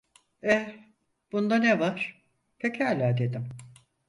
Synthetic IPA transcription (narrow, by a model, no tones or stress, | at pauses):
ɛ | b̥und̪anevaɾ̥ | pʰecʰælʲæːd̪e̞d̪im